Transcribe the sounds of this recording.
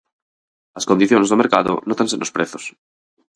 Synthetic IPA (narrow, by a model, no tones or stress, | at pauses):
askond̪iθjonezðomeɾkaðo̰not̪ãnsenospɾeθo̥s